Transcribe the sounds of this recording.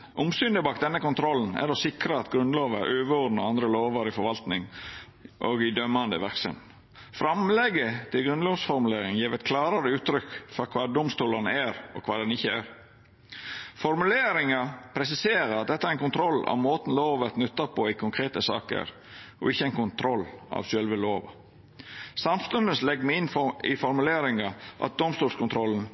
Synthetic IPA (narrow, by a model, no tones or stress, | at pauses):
ʔʊmsʏnd̪əbɑːkt̪̚d̪ɛnːəkʊnt̪ʰɾɔlːn̩æ̰ɾɔsɪkɾəɑt̪ɡɾʉnd̪loːʋəɾʔøːʋəɔd̪nəɾɑnd̪ɾəloːʋɑɾɪfɔɾʋɑlt̪nɪŋ | ʔɔɡɪd̪œmːɑnd̪ə̰ʋæɾksə̰n | fɾɑmlɛɡət̪ʰɪlɡɾʉnloːʋsfɔɾmʉleːɾɪŋjiːʋɛt̪̚kʰlɑːɾɑɾəʉːt̪ːɾʏkfɔɾkʰʋɑːd̪ʊmst̪uːlɑɾənæɾɔ̰kʰʋɑːd̪ɛnɪçːəæɾ | fɔɾmʉleːɾɪŋɑpʰɾɛs̬ɪseːɾəɾɑt̪̚d̪ɛt̪ːəæɛɾɛnkʊnt̪ʰɾɔlːɑ̰ʋmoːt̪n̩loːʋət̪nʉt̪ːɑpʰɔɪkʰʊŋkʰɾeːt̪əsɑ̰ːkə̰ɾ | ɔ̰ɪçːəæɪnkʊnt̪ʰɾɔlːɑ̰ʋʃœlʋəloːʋ | sɑmft̪ʉnd̪ən̩slɛɡmɛɪnɪfɔɾmʉleːɾɪŋɑʔɑ̰t̪̚d̪ʊmst̪uːlskʰʊnt̪ʰɾɔln̩